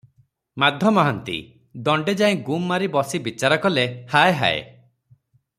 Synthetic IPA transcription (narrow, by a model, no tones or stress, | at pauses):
mad̪ʱjɔmɔɦant̪ḭ | d̪ɔɳɖed͡ʒaĩɡumːaɾibɔsibit͡ʃaɾɔkɔlehaeɦa̰ḛ